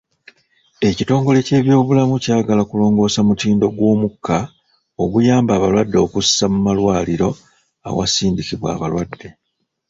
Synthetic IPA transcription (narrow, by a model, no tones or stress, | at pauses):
e̞cito̞ːŋɡo̞le̞ce̞ːβjo̞ːβulamucaːɡalakulo̞ːŋɡo̞ːsamutiːndo̞ɡwo̞ːmukʰːa | o̞βujaːmbaːβalwadːo̞kussamumalwaːliɾo̞ | a̰wa̰siːndikiβwa̰ːβa̰lwadːe̞